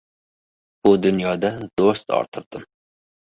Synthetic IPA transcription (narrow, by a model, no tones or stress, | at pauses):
bud̪unjɑːd̪ɛd̪̥ost̪ɑ̰ɾt̪ʰɨɾd̪̥ɨm